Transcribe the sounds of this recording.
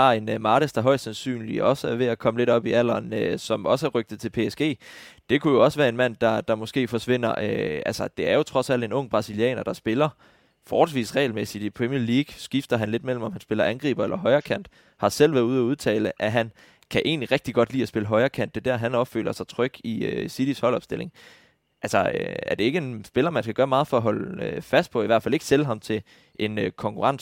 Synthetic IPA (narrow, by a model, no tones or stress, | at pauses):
ɑ̈e̝nmɑ̈ːɾ̥əsd̥ɑ̈ɦɒ̽ɪ̰̥sænsy̰ːnliɒ̽səæɐʋe̝ækʰɒ̽məle̝ɾɒ̽b̥iæl̰ɐːnøsɒ̽mɒ̽səɐʁœɡ̥d̥ð̩ˠt͡sʰe̝lpʰe̝esɡ̥e̝̰ːd̥e̝kʰujo̝ɒ̽səʋæːɐe̝nmæn̰d̥ɑ̈d̥ɑ̈mɒ̽sɡ̥e̝̰ːfɒ̽sʋe̝n̰ɐ̰øælsɐd̥e̝æɐjo̝t͡sʰʁɒ̽sæl̰d̥e̝nɔ̽ŋ̰b̥ʁɑ̈siliɛ̰ːnɐd̥ɑ̈sb̥e̝lɐ | fɒːd̥sʋḭːsʁɛ̰ɪlmesid̥ipʰʁɛmiɐliːɡ̥sɡ̥ifd̥ɐɦænle̝d̥mel̰m̩ɒ̽mhænsb̥e̝lɐʔænɡ̥ʁḭːb̥ɐelʔɐɦɒ̽ɪɐkʰæn̰d̥ | hɑ̈sel̰ʋæɐuð̞̩ˠæuð̞ˠt͡sʰɛ̰ːləʔæɦæn | kʰæʔe̝̰ːnliʁɛɡ̥̚d̥iɡ̥ɒ̽d̥lḭːæsb̥e̝ləɦɒ̽ɪɐkʰæn̰d̥ːe̝d̥æɐ̰ɦænɒ̽b̥fø̰ːlʔɐsɑ̈ɪt͡sʰʁœɡ̥iø̰sid̥ishɒ̽lɒ̽b̥sd̥e̝le̝ŋ | ʔælsɒøæɐd̥e̝e̝ɡ̥əe̝nsb̥e̝lɐmænskʰæɡ̥ɶːɐmɑ̈ːð̞̩ˠfɒ̽æɦɒ̽løfæsd̥pʰɒ̽iʋæɐ̰̥fæle̝ɡ̥seləɦɑ̈mt͡sʰe̝ | ʔe̝nøkʰɒ̽ŋkʰuʁɑ̈n̰